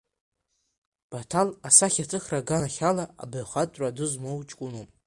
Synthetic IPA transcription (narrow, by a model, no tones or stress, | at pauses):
b̥atʰalasaχʲatʰɨχraɡanaχʲalaa̰bɨʕχatʼradɨzmowt͡ʃʼkʷʼʊnom